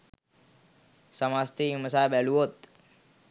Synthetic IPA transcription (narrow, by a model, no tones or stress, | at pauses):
səmast̪iməsabɛluɦot̪